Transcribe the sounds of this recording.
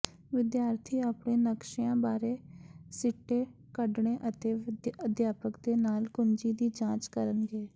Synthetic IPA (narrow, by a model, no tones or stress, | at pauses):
ʋɪd̪jaːɾt̪ʰiːaːpɳeːnəkʃɪjãːbaːɾeːsɪʈːeː | kəɖɳeːʔət̪eːəd̪jaːpəkd̪eːnaːlkʊnd͡ʒiːd̪iːd͡ʒãːt͡ʃkəɾənɡeː